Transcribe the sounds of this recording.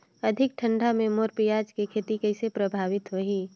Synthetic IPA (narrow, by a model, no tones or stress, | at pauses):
ɐd̪ʱɪk̚ʈʰə̃ɳɖʱamẽmoːɾpijaːd͡ʒkekʰeːt̪ikɛɪsepɾəbʱaːʋɪt̪ɦoɦiː